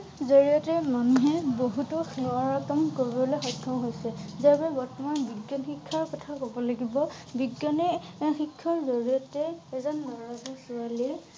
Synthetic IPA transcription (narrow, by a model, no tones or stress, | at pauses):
zoɹijɔtɛmanuɦɛboɦutʊɔɹakɔmkoɹibɔbɔlexɔkʰːɔɦojsɛzaɹpaɛbɔɹtɔmanbiɡːɔnxikʰːaɹkɔtʰakobɔlaɡibɔ | biɡɔnɛxikʰːɔɹzoɹijɔtɛːzɔnːɔɹazɔsuali